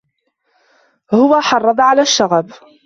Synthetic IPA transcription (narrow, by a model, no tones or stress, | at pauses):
hʊwaːħɑrˤːɑd̪ˤʕalaːʃːaɣab